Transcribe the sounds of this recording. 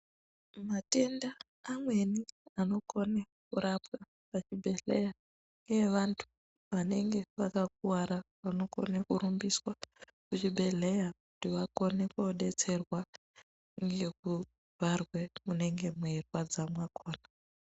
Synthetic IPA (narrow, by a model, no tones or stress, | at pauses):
mate̞ndaː | mwe̞niano̞ko̞ne | kuɾapwa | pat͡ʃibʱe̞ɮeja | ŋɡe̞ʋantʰu̥ | ʋane̞ŋɡe̞ʋakak̚uwaɾa | ʋano̞ko̞̰nekuɾumbiswa | kut͡ʃibʱe̞ɮe̞jakutiʋako̞nekoɗe̞t͡se̞rwa | ŋɡe̞ku | vʱarwe̞mune̞ŋɡe̞muerwad͡zamwakʰoːna